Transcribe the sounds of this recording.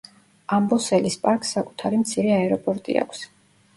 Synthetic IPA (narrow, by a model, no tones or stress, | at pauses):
ambɔsɛlispʼaɾkʼsːakʼu̥t̪ʰaɾimt̪sʰiɾɛaɛɾɔpʼɔɾt̪ʼḭa̰kʷʰs